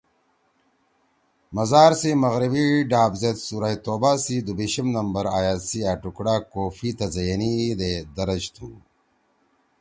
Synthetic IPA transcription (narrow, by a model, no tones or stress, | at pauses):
mɐzaːɾsimɐɣɾibiɖaːbzet̪suɾajt̪oːbasid̪ubiɕɐmnɐmbɐɾaːjaːsiaʈukɽaːkoːfit̪ɐzɐjɐnid̪ed̪ɐɾɐd͡ʑt̪ʰuː